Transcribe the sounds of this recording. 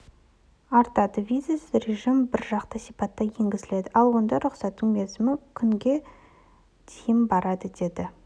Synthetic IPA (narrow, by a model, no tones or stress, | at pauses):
ɑɾt̪ɑd̪əvʲizesɾeʒimbɪɾʒɑqt̪ɑsijpɑt̪ːɑje̞ŋɡʲɪzɪle̞d̪ɪʔɑlˠwo̞nd̪ɑɾʊqsɑt̪ːəŋmezɪmɪkʲʰʏŋɡʲe̞ | d̪̥ejɪmbɑɾɑd̪əd̪e̞d̪ɪ